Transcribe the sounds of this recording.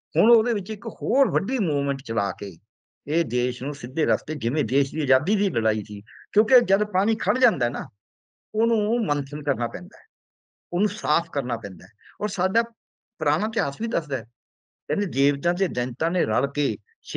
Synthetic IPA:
hʊɳoːd̪eːʋɪt͡ʃɪkhoːɾʋəɖiːmuːʋmə̃ɳʈt͡ʃəla̰ːkḛː | eːd̪eːʃnũːsɪd̪ːeːɾəst̪eːd͡ʒɪʋẽːd̪eːʃd̪iːəd͡ʒaːd̪iːt̪iːləɽaːiːsiːkjõːked͡ʒəd̪paːɽ̃iːkʰəɽd͡ʒãːnd̪aːnaː | oːnũːmənsʰənkəɾnaːpɛ̃ːnd̪a̰ːɛ | oːnũːsaːpʰkəɾnaːpɛ̃ːnd̪aːɛɔːɾsaːɖaː | pɾaːɽ̃ãːt̪eəsbiːd̪əsd̪ɛː | kɛ̃ːneːd̪eːʋt̪ãːt̪̬eːd̪ɛ̃nt̪ãːneːɾəlkeː | ʃ

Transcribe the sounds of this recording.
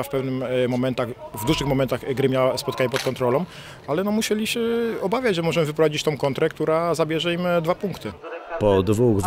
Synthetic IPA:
afpɛvnɘmmɔmɛnt̪aɣvd̪uʐɘxmɔmɛnt̪aɣɡɾɘmjawaspɔt̪̚kaɲɛpɔt̪̚kɔnt̪ɾɔlɔ̃w | alɛnɔmuɕɛlʲiɕɛɔbavʲjad͡ʑʐɛmɔʐɛmɘvɘpɾɔvad͡ʑit͡ɕt̪ɔ̃w̃kɔnt̪ɾɛkt̪uɾazabʲjɛʐɛimd̪vapuŋkt̪ɘpɔd̪vuɣ

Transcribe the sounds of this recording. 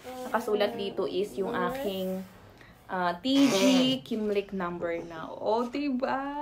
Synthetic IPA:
nɐkɐsuːlɐt̪̚d̪iːt̪oʔɪsjʊŋʔaːkɪŋ | ʔat̪id͡ʒikimlɪknɐ̃mbɛɹnɐ̰ʔot̪ɪba

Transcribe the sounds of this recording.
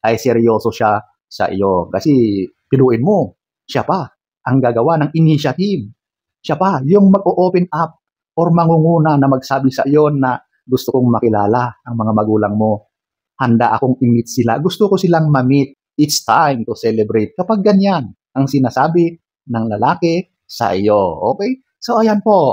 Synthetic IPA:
ʔɐjsɛɾjo̞ːsoʃa | sɐ̰ʔɪ̰jokɐsɛ | pɪluːʔɪnmo̞ | ʃapa | ʔɐŋɡaːɡɐwanɐŋʔɪniʃɐt̪iv | ʃapajʊŋmɐɡ̚ʔoʔopɛnʔap̚ | ʔoɾmɐŋuŋuːnanɐmɐɡ̚saːbɪsɐ̰ʔjo̞nːɐ | ɡʊst̪ʊkoŋmɐkɪla̰ːlaʔɐŋmɐŋamɐɡuːlɐŋmo̞ | hɐnd̪aʔɐko̞ŋʔɪmɪt̪̚sɪla̰ɡʊst̪okosɪlaŋmɐmit̪̚ | ʔɪt̪st̪ajmt̪ʊsɛlɛbɾɛjt̪̚kɐpaɡ̚ːɐɲjan | ʔɐŋsɪnaːsaːbɪ | nɐŋlɐlaːkɛ | sɐ̰ʔɪ̰joʔoːkɛj | sɐʔajanpoʔ

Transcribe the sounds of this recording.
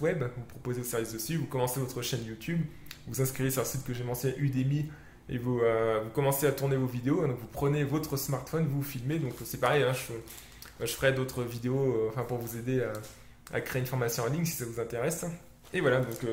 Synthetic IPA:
wɛbvupχɔpozeosɛʁvisd̪əsyvukɔmɑ̃sevɔt̪χəʃɛnjut̪ʰybvuzɛ̃skχivesyʁləsit̪kəʒemɑ̃sjɛ̃ʔyd̪emi | ḛvuøvukɔmɑ̃seat̪uʁnevovid̪eoɛ̃d̪ɔ̃kvupχənevɔt̪χəsmaʁt̪fɔnvufilmed̪ɔ̃ksɛpaʁɛjɛ̃ʒə | ʒəfəʁɛd̪ot̪χəvid̪eoɑ̃fɛ̃puʁvuzed̪ea | a̰kχeːynfɔʁmasjɔ̃ɑ̃liɲsi̥savuzɛ̃t̪eʁɛs | evwalad̪ɔ̃k

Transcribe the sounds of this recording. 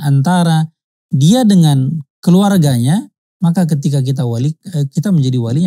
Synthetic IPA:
ant̪aɾa | diadəŋankəluarɡaɲa | makak̬ət̪̬ik̬ak̬it̪̬awaliəkit̪aməɲd͡ʒadiwaliɲ

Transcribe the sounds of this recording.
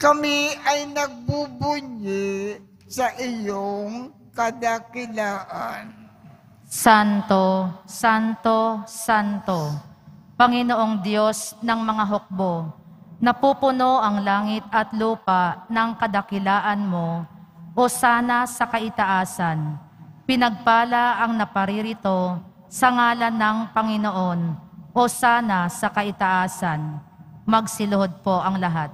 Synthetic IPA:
kɐmɪʔɐjnɐɡ̚bubʊɲɪ | sɐʔɪjoŋ | kɐd̪akɪlaːʔan | sant̪osant̪o̞sant̪o̞pɐŋɪno̞ʔo̞ŋd̪jo̞snɐŋmɐŋaɦok̚bo̞ | nɐpupʊno̞ʔɐŋlaːŋɪt̪̚ɐt̪luːpaʔnɐŋkɐd̪ɐkɪlaːʔɐnmo̞ʔosaːnɐsɐkɐʔɪt̪ɐʔaːsɐn | pɪnɐɡ̚paːlɐʔɐŋnɐpɐɾiɾɪt̪o̞ | sɐŋaːlɐnːɐŋpɐŋɪnoʔo̞nʔosaːnɐsɐkɐʔɪt̪ɐʔaːsɐnmɐɡsɪlʊɦod̪̚po̞ʔɐŋlɐɦat̪̚

